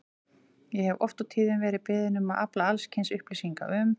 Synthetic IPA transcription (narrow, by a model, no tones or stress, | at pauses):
jɛhɛvɔft̪awt̪ʰiːðʏnvɛːɾɪðpɪːðɪnʏmaðaplaalscʰɪnsʏhplijsiŋka̰ʔʏm